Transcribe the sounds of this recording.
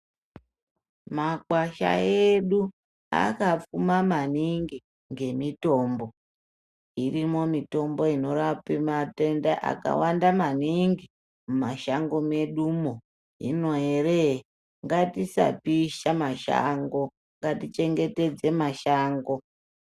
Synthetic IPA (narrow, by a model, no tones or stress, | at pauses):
maɡwaʃa̰eɗu | a̰kap͡fumamaniŋɡi | ŋɡe̞mito̞ːmbo̞ | irimo̞mito̞mbo̞ino̞rapimate̞ndeʔa̰ka̰wandamaniŋɡi | mumaʃaŋɡo̞me̞ɗumo | ḭno̞ere | ŋɡatisa̰piʃamaʃa̰ŋɡo̞ | ŋɡatit͡ʃe̞ŋɡe̞te̞d͡ze̞maʃaːŋɡo̞